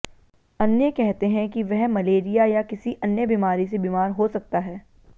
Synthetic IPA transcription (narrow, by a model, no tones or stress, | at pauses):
ɐnjəkɛɦt̪eɦɛ̃kiʋɛɦmɐleːɾijajakɪsiʔɐnjəbiːmaːɾis̬ebiːmaːɾɦosɐk̚t̪aɦɛː